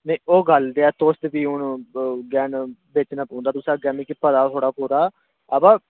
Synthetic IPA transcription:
nẽːoːɡəld̪eːɛːt̪oːst̪ebiːʊnɡɛːnbeːʈːnãːpũːnd̪aːt̪ʊsãːɡɛːmĩkpəd̪aːt̪ʰoːɽaːpuːɾaː | əbaː

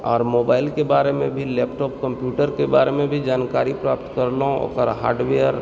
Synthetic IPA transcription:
ɔ̰ːɾmoːbaːɪlkebaːɾemẽbʱileːpʈɔːp̚kə̃mpjuːʈəɾkebaːɾemẽbʱid͡ʒaːnkaːɾipɾaːpt̪kəɾlõo̰kəɾɦa̰ːɾɖʋeəɾ

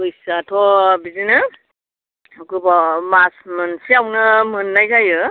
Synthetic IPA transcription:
ɯjsatʰɔbizinɯ | kɯbɔmasmɯnsiawnɯmɯnːajkajɯ

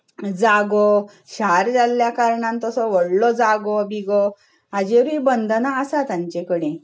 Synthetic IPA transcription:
d͡zaɡɔ | ɕaɾd͡zaljakaɾɳãnt̪ɔsɔʋəɽlɔd͡zaɡɔbiɡɔ | ad͡ʑeɾibənd̪ʱənaːsat̪ãɲt͡ɕekəɽẽ

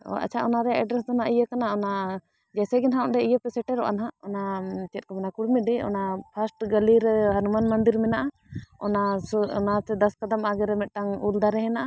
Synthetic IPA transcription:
ɔ̰ʔa̰t͡ʃʰaʔɔnaɾɛjaʔɛɖɾɛs̬d̪ɔnaʔijəkanaɔna | d͡ʒɛsɛɡɛnɦaɔʔɖɛijəpɛsɛʈɛɾɔʔa̰nɦaʔɔnat͡ʃɛt̪̚kɔmɛnakuɽmiɖiɔ̰napʰasʈɡəliɾɛɦanumanmand̪iɾmɛnaʔa | ɔ̰nasɔnat̪ɛd̪askad̪amaɡɛɾɛmɛt̪̚ʈaŋuld̪aɾɛɦɛnaʔa

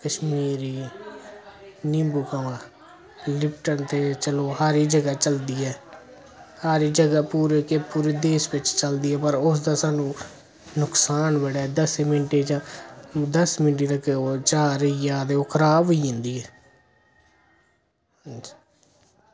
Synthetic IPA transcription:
kəʃmiːɾiː | nɪ̃mbukəʋãː | lɪpʈənt̪ʰeːt͡ʃəloːɦaːɾiːd͡ʒəɡaːt͡ʃəld̪iːɛː | haːɾiːd͡ʒəɡaːpuːɾeːkepuːɾeːd̪eːʃʋɪt͡ʃt͡ʃəld̪iːɛːpəɾʊs̬d̪aːsaːnũː | nʊksaːnbəɽaːd̪əsmɪnʈeːd͡ʒãːd̪əsmɪnʈ̬eːɾəkeot͡ʃaːɾəijaːd̪eːokʰɾaːʋiːʊ̃nd̪iːɛː | d͡ʒ

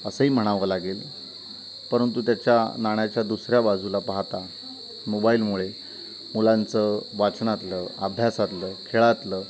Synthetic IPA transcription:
əsəɦiːm̤əɽ̃aʋəlaɡeːl | pəɾənt̪ut̪jat͡ɕjanaɳ̃jat͡ɕjad̪usɾjabad͡zʱulapaɦt̪a | mobaiːlmuɭe | mulãnt͡səʋat͡sɳat̪ləəbʱjasat̪ləːkʰeɭat̪ləː

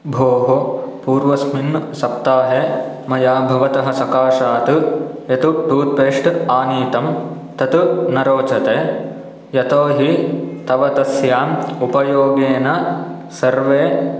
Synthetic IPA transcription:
bʱoːɦopuːɾʋɐsminːsɐp̚t̪aːɦe | mɐjaːbʱɐʋɐt̪ɐɦɐ̆sɐkaːʃaːt̪ujɐt̪uʈuːt̪̚peːʂʈaːniːt̪ɐm | t̪ɐt̪unɐɾoːt͡ʃɐt̪eː | jɐt̪oːɦit̪ɐʋɐt̪ɐsjaːmupɐjoːɡeːnɐ | sɐɾʋeː

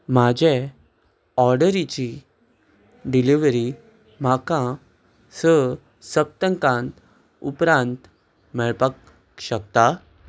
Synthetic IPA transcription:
m̤ad͡ʑʱe | ɔɾɖəɾit͡ɕi | ɖiliʋɾi | m̤akã | sə | səp̚t̪əŋkãnt̪ | upɾãnt̪ | mɛɭpək | ɕək̚t̪a

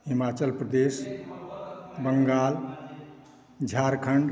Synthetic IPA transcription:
ɦimat͡ʃəlpɾəd̪es | bəŋɡaːl | d͡ʒʱaɾkʰəɳɖ

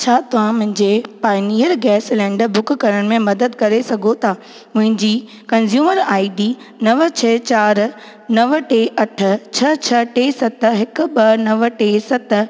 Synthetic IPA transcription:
t͡ɕʰaːt̪ɐʋ̤ãmʊ̃ɦɪ̃ɲd͡ʑeːpaːɪniːəɾɡɛːslɛ̃ːɳɖəbʊkkɐɾəɽ̃ɪ̆mẽmɐd̪əd̪kɐɾesɐɡʱot̪ʰaː | mʊ̃ɦɪ̃ɲd͡ʑiː | kɐnzjuːməɾaːiɖiː | nɐʋt͡ɕʰet͡ɕaːɾ | nɐʋʈeːʔɐʈʰʊ̆t͡ɕʰɐt͡ɕʰɐʈeːsɐt̪̆ɦɪkʊ̆bɐnɐʋʈeːsɐt̪̆

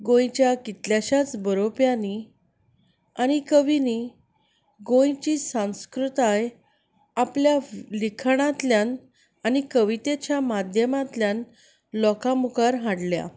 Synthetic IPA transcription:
ɡõjt͡ɕjakit̪ljaɕat͡sbəɾopjani | añikəʋini | ɡõjt͡ɕiːsãw̃skɾut̪aj | apljalikʰɳ̃at̪ljan | anikəʋit̪et͡ɕjamad̪ʱjəmãt̪ljan | lɔkamukaɾɦãɽlja̰

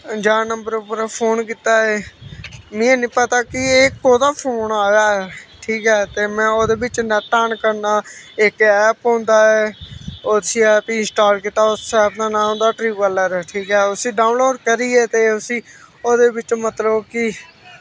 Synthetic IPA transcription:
d͡ʒaːnəmbəɾʊpəɾpʰoːnkiːt̪aːeː | mɪ̃ːɛ̃ːnĩːpət̪aːkɪeːkoːd̪aːpʰoːnaːjaːɛʈʰiːkɦɛːt̪eːmɛ̃ːoːd̪eːbɪt͡ʃnɛʈaːnkəɾnaːɪkɛːpõːnd̪aːɛːoːsiːɛpiːɪnsʈaːlkit̪ːaːossɛːbnaːnãːɦõːnd̪aːʈɾiːʋələɾʈʰiːkɦɛːʊsĩːɖaːʊnloːɖkəɾiːɛːt̪eːʊsĩːoːd̪eːbɪt͡ʃmət̪ləbkɪ

